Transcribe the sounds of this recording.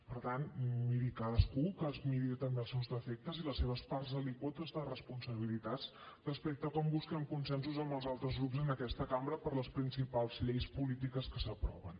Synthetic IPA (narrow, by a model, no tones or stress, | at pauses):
pəɾt̪anmiɾikaðəskukəzmiɾiet̪əmbeəlˠsewzðəfek̚t̪əziləsːeβ̞əspaɾzəlikwɔt̪əzðərəspunsəβilit̪at͡s | rəspek̚t̪əkɔmbuskɛmkunsɛnsuzəmbəlˠzalˠt̪ɾəzɣɾupzənəkɛst̪əkambɾəpəɾləspɾinsipalˠzʎejspulit̪̬ikəskəsəpɾɔ̰βən